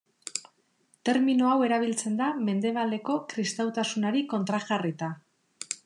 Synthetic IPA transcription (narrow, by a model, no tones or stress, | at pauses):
t̪e̞ɾminoawe̞ɾaβ̞ilt͡se̞nd̪ame̞nd̪e̞β̞ald̪e̞ko̞kɾist̪awt̪asunaɾiko̞nt̪ɾaʝarit̪a